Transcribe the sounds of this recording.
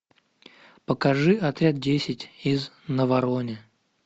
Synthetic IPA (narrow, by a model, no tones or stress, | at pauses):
pəkɐʐɨɐt̪ɾʲad̪̚dʲesʲɪtʲiz | nəvɐɾonʲɪ